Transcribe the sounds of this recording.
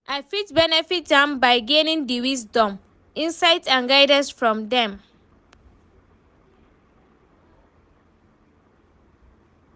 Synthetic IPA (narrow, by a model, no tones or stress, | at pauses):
ʔaɪfit̚bɛnɛfit̚dãmbaɪɡẽnĩŋdiwisdɔ̃m | ĩnsaɪtãnɡaɪdãnsfɹɔ̃mdɛ̃m